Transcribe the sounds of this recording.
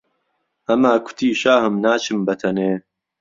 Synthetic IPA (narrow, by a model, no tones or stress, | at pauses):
ʔɐmaːkʷʰʊ̥t̪ʰiːʃaːhɨmnaːt͡ʃʰɨmbɐt̪ʰɐneː